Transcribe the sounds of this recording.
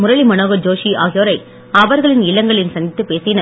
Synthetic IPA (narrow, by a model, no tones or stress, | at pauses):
mʊɾɐɭimɐnoːɣɐd͡ʒoːʂiʔaːɣɪjoːɾɐɪ | ɐʋɐɾɣɐɭɪnɪɭːɐŋɡɐɭɪnsɐnd̪ɪt̪ːɯpeːsiːnɐ